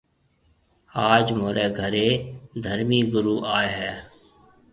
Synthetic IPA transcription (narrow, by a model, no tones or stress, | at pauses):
aːd͡ʒmoːɾeːɡʱəɾeːd̪ʱəɾmiːɡʊɾuːʔaːeɦɛː